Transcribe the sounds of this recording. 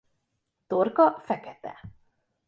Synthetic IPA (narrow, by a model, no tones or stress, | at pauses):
t̪orkɒfɛkɛt̪ɛ̰